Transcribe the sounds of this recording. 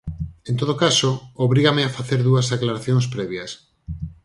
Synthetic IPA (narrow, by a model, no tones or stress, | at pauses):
ẽnt̪oðokasooβɾiɣameafaθeɾðuɐzaklaɾaθjoŋs̬pɾɛβjɐs